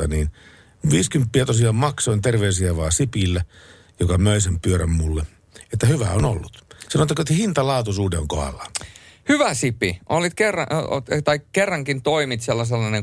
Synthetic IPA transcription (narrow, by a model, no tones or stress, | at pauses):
ɑniːn | ʋiːskympːiæt̪osiɑːmmɑksoint̪erʋeysiæʋɑːsipilːæ | jokɑmøisempyøɾæmmulːe | et̪ːæhyʋæ̰ono̰lːut̪sɑnot̪ːɑkoet̪ːhint̪ɑlɑˑːt̪usuːdeoŋkoɑ̰lːɑhyʋæsipiʔolːit̪kerːɑt̪ɑikkerːɑŋkint̪oimit̪selːɑs̬elːɑneŋ